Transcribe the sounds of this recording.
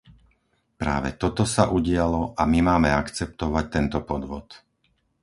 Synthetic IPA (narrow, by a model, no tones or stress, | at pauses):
pɾa̰ːʋɛ̰t̪ɔt̪ɔsaʔuɟɪalɔʔamimaːmɛakt͡sɛp̚t̪ɔʋac̚t̪ɛnt̪ɔpɔd̪ʋɔt̪